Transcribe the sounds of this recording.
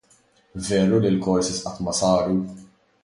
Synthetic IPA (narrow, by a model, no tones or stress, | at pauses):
vɛːɾulilkɔɾsɪsʔɐt̪mɐsɐːɾu